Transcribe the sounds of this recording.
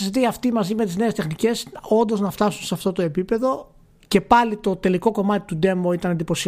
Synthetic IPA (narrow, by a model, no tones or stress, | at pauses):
sit̪iɐft̪imɐzime̞t̪izne̞ːst̪e̞xnice̞so̞nd̪o̞znɐft̪ɐsunseɐft̪o̞t̪o̞e̞pipe̞ðo̞ | ce̞pɐlit̪o̞t̪e̞liko̞ko̞mɐt̪i̥t̪ud̪e̞moit̪ɐnɐnd̪ipo̞si